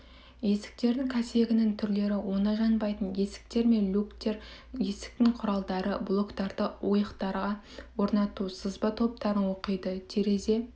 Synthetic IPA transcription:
je̞sɪ̥k̚t̪e̞ɾd̪ɪŋkʲʰæse̞ɡʲɪnɪŋt̪ʰʏɾle̞ɾɪwo̞nɑʒɑnbɑjt̪ənje̞sɪ̥k̚t̪e̞ɾme̞nlʲukt̪eɾje̞sɪ̥k̚t̪ɪŋqʰʊɾɑlˠd̪ɑɾəblˠo̞kt̪ɑɾd̪əwo̞jəqt̪ɑɾʁɑ | wo̞ɾnɑt̪usəzbɑt̪ʰo̞p̚t̪ɑɾənwo̞qəjd̪ət̪ʰeɾe̞ze̞

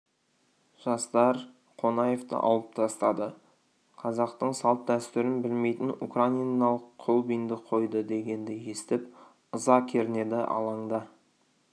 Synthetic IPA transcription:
ʒ̥ɑst̪ɑɾ | qʰo̞nɑjeft̪ə̰ʔɑ̰wlˠəp̚t̪ʰɑst̪ɑd̪ə | qʰɑzɑqt̪əɴsɑlˠp̪̚d̪æst̪ʏɾɪnbɪlme̞jt̪ɪnukraijnɑlˠəqʰːolˠbijnd̪əqʰo̞jd̪əd̪e̞ɡʲe̞nd̪ɪje̞st̪ɪp | əzɑkʲʰeɾɪne̞d̪ɪʔɑ̰lˠɑɴd̪ɑ

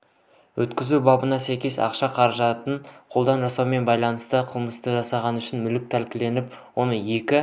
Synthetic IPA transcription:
wʔɵt̪kʲɪzubɑbənɑsæjkʲe̞sɑ̰qʃɑqʰɑɾɑʒɑt̪ənqʰo̞lˠd̪ɑnʒɑsɑwme̞nbɑjlˠɑnəst̪əqʰəlˠməst̪əʒɑsɑʁɑnʏʃɪnmʏlɪk̚t̪ʰælkʲɪle̞nɪpwo̞nəje̞kʲɪ

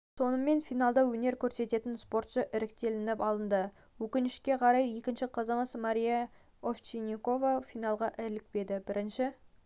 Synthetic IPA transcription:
so̞nəme̞nfijnɑlˠd̪ɑwɵne̞ɾkʲʰɵɾse̞t̪e̞t̪ɪnspo̞ɾt̪ʃəʔɪɾɪkt̪e̞lɪnɪpɑlˠənd̪ə | wɵkʲɪnɪʃkʲe̞qʰɑɾɑje̞kʲɪnʃɪqʰɑzɑmɑsmaɾʲijɑ | oft͡ʃinʲiko̞vɑfijnɑlˠʁɑʔɪlɪk̚pe̞d̪ɪbɪɾɪnʃɪ

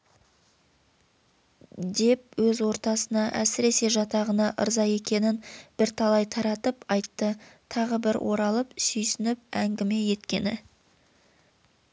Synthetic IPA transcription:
d̪e̞p̚wɵzwo̞ɾt̪ɑsənɑʔæ̰sɪɾe̞se̞ʒɑt̪ɑʁənɑʔə̰ɾzɑje̞kʲe̞nɪnb̥ɪɾt̪ʰɑlˠɑjt̪ʰɑɾɑt̪əpɑjt̪ːət̪ʰɑʁəbɪɾwʔo̞ɾɑlˠəpsʏjsʏnɪp̚æŋɡʲɪme̞je̞t̪kʲe̞nɪ

